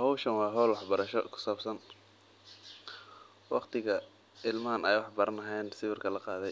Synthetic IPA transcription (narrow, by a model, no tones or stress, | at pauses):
hɔwʃɐnwɑːɦɔwlwɑħbɐɾɐʃɔ̰kʰʊ̥saːbsɐn | wɑ̰qt̪ʰɪɣɐ | ɪlmɐɐnɛjwɑħbɐɾɐnɐɦɛjnsɪβɪrkʰɐlɐqɑːðɛj